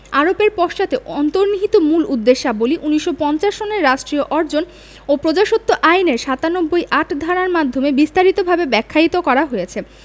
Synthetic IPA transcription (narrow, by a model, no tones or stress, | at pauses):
aɾopeɾpɔʃt͡ɕat̪eɔnt̪oɾniɦit̪omulud̪ːeʃːaboliʔuniʃːopɔnt͡ɕaʃːoneɾːaʃʈɾioʔɔɾd͡ʑon | opɾod͡ʑaʃot̪ʰːoʔajneɾʃat̪anobːojʔaʈʰd̪ʱaɾaɾmad̪ʱomebist̪aɾit̪obʱabebɛkʰːait̪okɔɾaɦojet͡ɕʰe